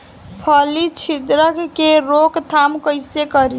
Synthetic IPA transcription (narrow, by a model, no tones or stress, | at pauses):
pʰʌlit͡ʃʰid̪ɾəkkeɾokt̪ʰamkəjsekʌɾi